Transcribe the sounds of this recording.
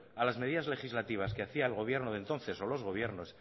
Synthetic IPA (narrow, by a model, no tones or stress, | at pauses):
alazme̞ð̞iðazle̞xizlat̪iβ̞askeaθiaelɣ̞o̞β̞je̞ɾnoðent̪o̞nθe̞so̞lo̞zɣo̞β̞je̞ɾno̞s